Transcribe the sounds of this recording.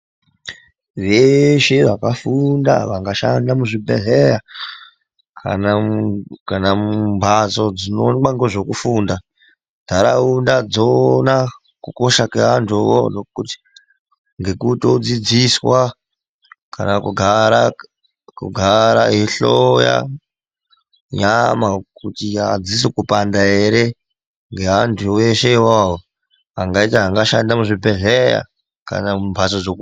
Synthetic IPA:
ʋeʃeʋakafunda̰ʋaŋɡaʃandamuʐibʱḛɮeɾa | kʰa̰nakanammbʱat͡so̞d͡zinonaŋɡoʐokufuːnda | daɾaundad͡zona | kuko̞ʃakeantʰowo̰nokuti̥ | ŋɡe̞kutod͡zid͡ziswa | ka̰nakuɡʱaɾa | kṵɡʱaɾaɦiɬoja̰ | ɲamakutiad͡zis̬ikupandaeɾe | ŋɡeɦantʰueʃeiwaɦo | ɦaŋɡaitiɦaŋɡaʃandamuʐibʱeɮeja̰ | ka̰naumvʱasod͡zok

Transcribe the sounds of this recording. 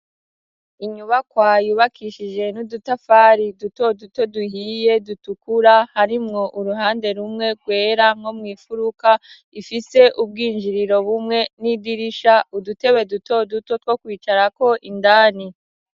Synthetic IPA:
iɲuβakwaːjuβakʰiʃid͡ʒe̞nudutafaːɾiduto̞duto̞duɦiːje̞dutukuɾahaɾimŋo̞ʔuɾuɦaːnde̞ɾumŋe̞ɡwe̞ːɾaŋ̥ho̞mŋiːfuɾuka | ifise̞ʔub̚ɡiːnd͡ʒiɾiɾo̞βumŋe̞nidiɾiʃaudute̞βe̞duto̞duto̞two̞kwiːt͡ʃaɾako̞ʔindaːni

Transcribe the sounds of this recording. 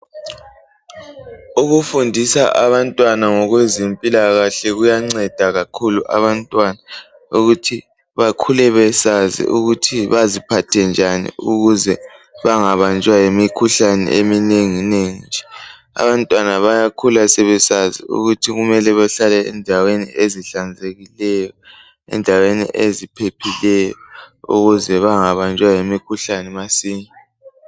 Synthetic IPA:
uɣufundʱisaʔaβantʼwanaŋɔɣwezempʼilaɣaɬɛɣujaŋ͡ǀɛd̥ʱaɣakʰuluʔa̰βantʼwana | uɣutʰi | βakʰulɛβɛsazḭʔuɣutʰiβazipʰatʰɛnd͡ʒʱanḭuɣuzɛβaŋaβant͡ʃʼwajemikʰuɬanɛ̰ʔemineŋineŋind͡ʒʱɛ | a̰βantʼwanaβajakʰulasɛβɛsazḭṵɣutʰiɣumɛlɛβaɬalɛːndʱawenḭeziɬand͡zʱeɣilɛjɔ | ɛ̰ndʱawenḭʔezipʰepʰilɛjɔṵɣuzɛβaŋaβant͡ʃʼwajemikʰuɬanɛmasiːmɛ

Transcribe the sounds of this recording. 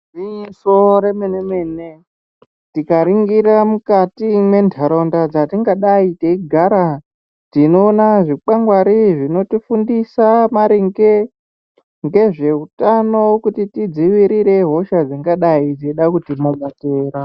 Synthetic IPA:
iisoɾemeneme̞ːne | tikaɾiŋɡiɾamukatimwe̞ndʱaɾondad͡zatiŋɡaɗaiteiɡʱaɾa | tino̞ːnaʐik͡paŋɡwaɾiʐino̞tifundisamaɾiŋɡe̞ | ŋɡe̞ʐe̞utano̞kutitid͡ziʋiɾiɾe̞ɦo̞ʃad͡ziŋɡaɗaid͡ziiɗakutimoɡateːra

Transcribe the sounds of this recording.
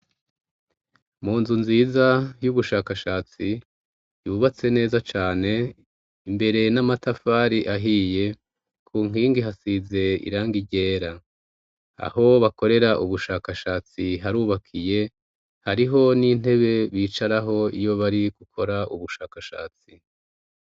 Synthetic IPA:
muːnzunziːzajuβuʃaːkaʃaːt͡si | juβat͡se̞ne̞ːzat͡ʃaːne̞ | imbe̞ɾe̞namatafaːɾiʔaɦije̞ | kʰuːŋ̥iːŋɡiɦasize̞ḭɾaːŋɡiɟe̞ːɾa | a̰ho̞βako̞ɾe̞ɾaʔuβuʃaːkaʃaːt͡siɦaɾuːβakʰije̞ | haɾiɦo̞nin̥e̞βe̞βiːt͡ʃaɾaɦo̞ijo̞βaɾiɡ̥ukʰo̞ɾauβuʃaːkaʃa̰ːt͡si

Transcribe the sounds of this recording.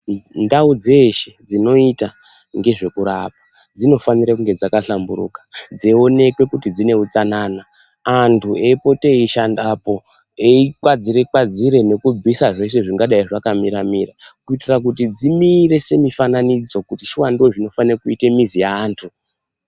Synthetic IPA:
ndaud͡zeʃed͡zino̞ita | ŋɡe̞ʐe̞kuɾap̚ḁ | d͡zino̞faniɾakuŋɡe̞d͡zakaɬambuɾṵkḁd͡zeo̞ne̞kwe̞kutid͡zine̞ut͡sananaː | ntʰueipo̞te̞iʃandapo̞ | eikwad͡ziɾekwad͡ziɾe̞ne̞kub͡visaʐe̞ʃ̬e̞ʐiŋɡaɗaiʐakamiɾamirakuitirak̬utid͡zimire̞se̞mifananid͡zo̞kutiʃiwandoʐino̞fanirakuitemizijaːntʰu

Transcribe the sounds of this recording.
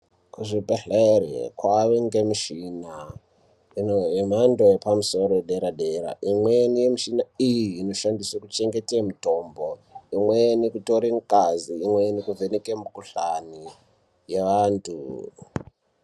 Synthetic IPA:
kuʐibʱeɬerḛkwaʋeŋɡemuʃina | inoɦemandojepamuso̞ɾoɗeɾaɗeɾa̰ʔimwenijemuʃinaijiːno̞ʃandiswakut͡ʃe̞ŋɡe̞temuto̞mboimwenikuto̞ɾeŋkaziːmwenikuvenekemukuɬani | jeʋaːntʰṵ

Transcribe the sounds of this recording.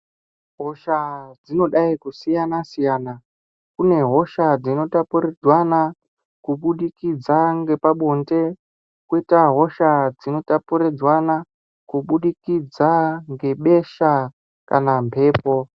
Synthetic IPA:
ɦo̞ʃad͡zino̞ɗaikusijanasijaːna | kune̞ɦo̞ʃad͡zino̞tapuɾed͡zwana | kuɓuɗikid͡zaŋɡe̞paɓonte̞ | kwitaɦo̞ʃad͡zino̞tapuɾed͡zwana | kuɓuɗikid͡zaŋɡe̞ɓe̞ʃa | kanampʰe̞ːpo̞

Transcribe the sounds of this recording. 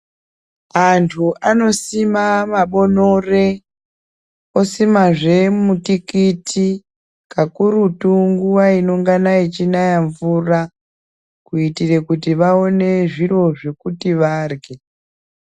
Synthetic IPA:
antʰuʔano̞simamaɓo̞no̞re | o̞simaʐe̞mutikitʰi | kakuɾutuŋɡuwaino̞ŋɡanait͡ʃinajaɱvura | kuitire̞kutiʋao̞ne̞ʐiro̞ʐe̞kutiʋaːrɡe

